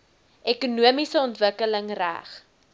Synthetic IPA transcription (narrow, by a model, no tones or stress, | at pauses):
ʔɛkunuəmisəɔntvəkələŋræ̰χ